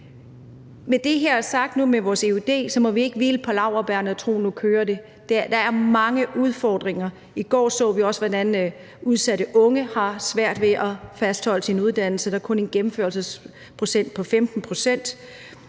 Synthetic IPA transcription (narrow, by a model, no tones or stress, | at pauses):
med̥e̝ɦeɐ̰æɐsɑ̈ɡ̥̚d̥numeʋɒːse̝ud̥e̝̰ːsɒ̽mɒ̽ʋie̝ɡ̥əʋiləpʰɒ̽lɑ̈ʊ̰ɐb̥æɐnəɒt͡sʰʁo̝̰ːnukʰøːɐde̝ | d̥ed̥ɑ̈æɐmɑ̈ŋəʔuð̞ˠfɒːd̥ʁeŋɐ | iɡ̥ɒ̰ːsɔ̰ːʋiɒ̽sʋɒd̥æn | uð̞ˠsæɾ̥əʔɔ̽ŋəhɑ̈sʋæɐ̰d̥ʋe̝ʔɒ̽fæsd̥hɒ̽l̰ə̥sinuð̞ˠd̥æn̰l̩səd̥ɑɐkʰɔ̽nenɡ̥emm̩føːɐlsəs | pʰʁo̝sen̰d̥̚pʰɒ̽femd̥n̩pʰʁo̝sen̰d̥